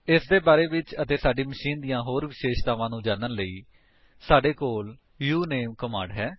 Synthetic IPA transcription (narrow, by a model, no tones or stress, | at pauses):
ɪsd̪eːbaːɾeːʋɪt͡ʃət̪eːsaːɖiːməʃiːnd̪ɪjãːɦoːɾʋɪʃeːʃt̪aːʋãːnũːd͡ʒãːnənləiː | saːɖeːkoːl | juːneːmkəmã̰ːɳɖɦɛː